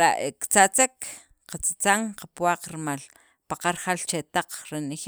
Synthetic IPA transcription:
ɾa̰ʔekt͡sat͡sek | qat͡sat͡saŋqapwaq͡χɾimal | paqaɾχalt͡ʃet̪aq͡χɾenex

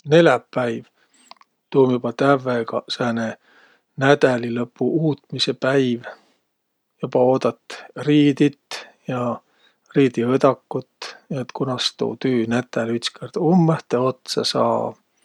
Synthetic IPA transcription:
ne̞lɑpːæjv | t̪uːmjub̥ɑt̪ævːeɡ̥ɑ̰sæːne | næd̪̥ælilɤpːuuːt̪mise̞pæjv | jub̥ɑoːd̪̥ɑt̪ːˑriːd̪it̪jɑ | riːd̪iɤd̪ɑkːut̪ːnet̪kunɑst̪ṵːt̪yːnæt̪ːælyt̪skerd̪̥umːeht̪ːˑeo̞t̪sɑsɑ̰ː

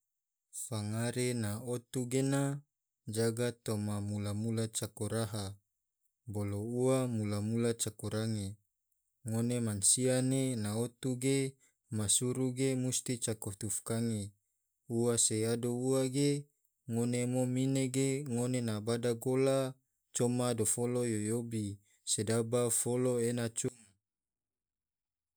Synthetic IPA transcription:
faŋaɾenaot̪uɡena | d͡ʒaɡat̪omamulamulat͡ʃakoɾaɦa | bolouamulamulat͡ʃakoɾaŋe | ŋonemansianenaot̪uɡe | masuɾuɡemust̪it͡ʃakot̪ufkaŋe | uwaseadouaɡe | ŋonemomineɡeŋonenabadaɡola | t͡ʃomadofolojojobi | sedabafoloenat͡ʃuŋ

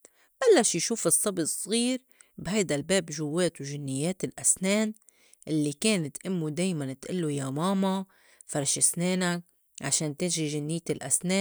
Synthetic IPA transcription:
b̥alːaʃjʃuːfɨsˤːɑbsˤːɣiːɾ | bhajd̪albeːbʒʊwːeːt̪wʒɪnːɪjːeːt̪ɪlʔasneːn | ʔɪlːikeːnɪt̪ʔɪmːud̪eːjmant̪ʔɪlːujamaːma | fɑɾˤʃɪsneːnak̚ | ʕaʃeːnt̪ɪʒiʒɪnːɪjːt̪ɪlʔasneː

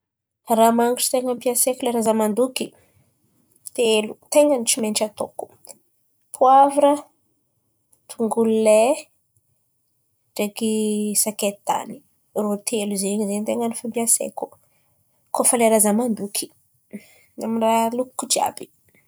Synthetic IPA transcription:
ramaŋuʈ͡ʂi̥t̪eŋəmpiasekuleɾazəmand̪uki | t̪elut̪eŋənit͡ʃimenʈ͡ʂat̪oku̥ | pʰuavɾə | t̪ʰuŋɡulule | ʈ͡ʂekisaket̪a̰ni | rot̪ʰeluzeɲizent̪eŋanifampiasḛku̥ | kofəleɾazamand̪ukʰi̥ | amiralukkːud͡ʒia̰bi̥

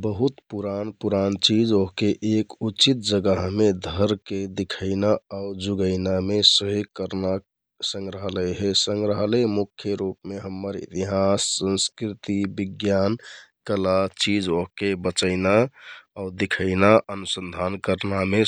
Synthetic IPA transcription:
bəɦut̪puɾanpuɾant͡ʃid͡ʒoɦkeʔekut͡ʃit̪̚d͡ʒəɡəɦmed̪ʱəɾked̪ikʰəɪnaaʊd͡ʒuɡəɪnamesəɦoɡkəɾna | sə̃ŋɡɾəɦələɦesəŋɡɾəɦəlɛmukʰːjəɾupmeɦəmːəɾḭt̪iɦasːə̃nskɾit̪ibiɡjankəlat͡ʃid͡ʒoɦkebət͡ʃəɪnaaʊd̪ikʰəɪnaʔənusənd̪ʱankəɾname

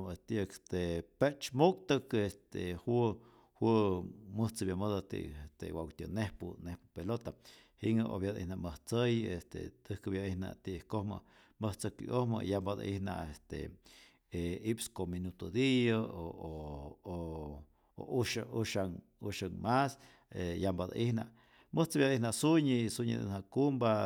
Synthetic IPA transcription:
et̪ist̪epet͡ʃmuk̚t̪ɨkest̪ehwu | hwɨməht͡sɨbjaməðat̪ḭʔest̪ḛwawt̪ʲɨnehpunehpɨpelot̪ahiŋʔo̰bjad̪ʔḭhnaməht͡səjest̪ḛt̪ɨhkɨbjaihna̰t̪iʔkohmə̰ | məht͡səkḭʔohmə̰jambad̪a̰ʔihna̰est̪ḛ | eipskominut̪od̪ijəooo | o̰uʃauʃaŋ | uʃaŋmas | ejambad̪a̰ʔihna | məht͡səbjad̪ihnaʔsuɲisuɲḭd̪ḛnhakumba

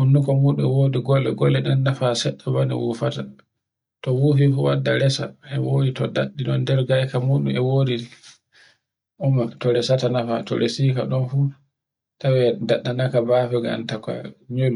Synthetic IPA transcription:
hunːukɔmuɗuɛwodiɡɔlːɛ̰ɡɔlːɛɗɛnːafasɛɗːabanḭwṵfata | tɔwufifuwadːaɾɛsa̰ɛwojitɔda̰ɗːiɗɔndɛɾɡajkamuɗumɛwoːdi | ʔumatɔɾɛsatanafatɔ̰ɾesika̰ɗɔnfu | tawɛdaɗːanakabafɛɡa̰ntaka̰ɲelu

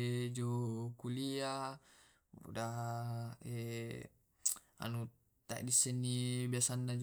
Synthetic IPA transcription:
d͡ʒokulia | da | e | a̰nu | t̪a̰ʔdisːɛnːibiasanːad͡ʒ

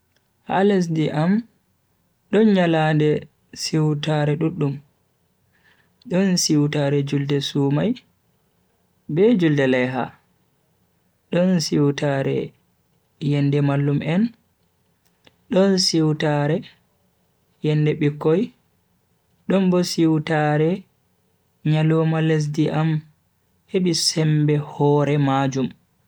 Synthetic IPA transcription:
halɛs̬diʔam | ɗɔnɲaladɛ | siwtaɾɛɗuɗːum | ɗɔnsiwtaɾɛd͡ʒuldɛsuːmaj | bɛd͡ʒuldɛlɛjɦa̰ | ɗɔnsiwtaɾɛ̰ | jɛndɛmalːumʔɛn | ɗɔnsiwtaɾɛ | jɛndɛɓikːɔj | ɗɔnbɔsiwtaɾɛ | ɲalɔmales̬diʔam | heɓisɛmbɛhɔɾɛmad͡ʒum

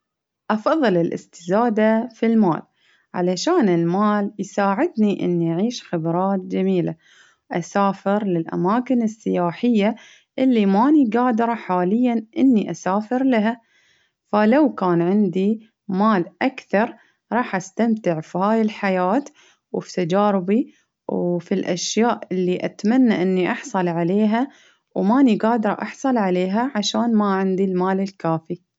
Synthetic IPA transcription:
ʔɑfɑðˤːɨlɪlʔɪ̰st̪ɪ̥zaːd̪afilma̰ːl | ʕa̰laʃaːnɪlmaːljsaːʕɪd̪niʔɪ̰nːiʔaʕiːʃxɪbɾˤɑːt̪̚d͡ʒamiːla̰ | ʔasaːfɪɾlɪlʔa̰maːkɪnɪsːɪjaːħɪjːa | ʔɪlːimaːniɡaːd̪ɾˤɑħaːlɪjːanʔɪnːiʔasaːfɪɾlaɦa | falawkaːnʕɪnd̪i | maːlʔakθɑɾˤ | ɾˤɑːħʔast̪amt̪ɪʕfihaːjɪlħajaːt̪ | wfi̥t̪ad͡ʒaːɾɪbi | wfilʔa̰ʃjaːʔɪlːiʔat̪manːaʔɪnːiʔɑħsˤɑlʕaleːɦa | wmaːniɡaːd̪ɾˤɑʔɑħsˤɑlʕaleːɦaʕaʃaːnmaʕɪnd̪ilmaːlɪlkaːfi

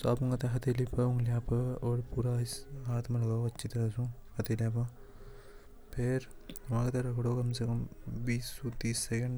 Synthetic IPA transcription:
soaːpuŋɡɐt̪ɐɦɐt̪eːlipɐuŋɡljaːpɐoːɽpuɾaːisɦaːt̪ʰmɐlɐɡoːɐtːt͡ʃʰːit̪ɐɾɐsũhɐt̪eːljaːp̬ɐ | pʰeɾɐmaːɡɐt̪ɐɾɐɡɽoːkɐmsekɐmʋiːsːut̪iːsːekɐɳɖ

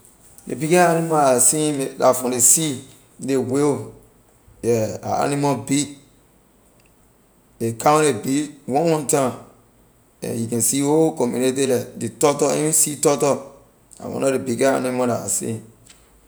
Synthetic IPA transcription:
dḛbikɛanĩmãasĩlafɔ̃desi | deweo | jɛa̰a̰nĩmɔbi | ekãebiwɔ̃wɔ̃ntã | ɛ̰̃jukɛ̃nsiokɔ̃mjṵnetelɛdetɔtɔĩsitɔtɔ | a̰wɔ̰̃nɔɾebikɛa̰nĩmɔ̃laa̰sḭ̃

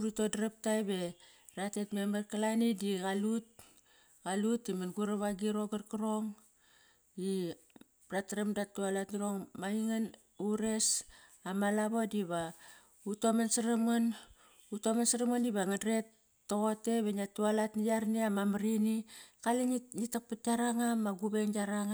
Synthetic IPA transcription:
ɾito̞dɾap̚tajbe̞ | ɾatetmemarkalanidiɡalut̚ | ɡalutimanɡuɾaβaɡiɾo̞ɡarkaɾoŋ | i | bɾatɾemdattualatniɾo̞ŋmaiŋan | uɾe̞s | amalaβodiβa | utomansaɾamon | utomansaɾamoniβaŋadɾe̞tː | oɣote̞βeniatualatnijaɾniamamaɾinikalinitak̚pat̚aɾaŋamːaɡuβeŋɡaɾaŋa

